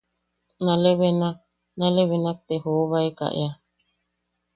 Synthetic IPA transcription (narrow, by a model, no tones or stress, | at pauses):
naleβena | naleβenak̚t̪ehoːβajka̰ʔj̰a